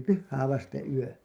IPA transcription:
pyhːæː ʋɑstẽː yø

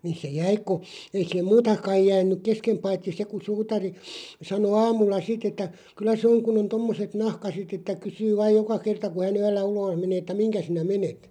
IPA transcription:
ni se jæi ku ei siːhem muːtɑ kɑij jæːnˑyk keskem pɑitːi se ku suːtɑri sɑno ɑːmulːɑ sitˑ etːæ kylˑæ sĕ oŋ kun on tomːoset nɑhkɑset etːæ kysyː ʋɑːj̆ jokɑ kertɑ ku hæn yølːæ uloːh̆ meneː ĕtːæ miŋkæ sinæ menet

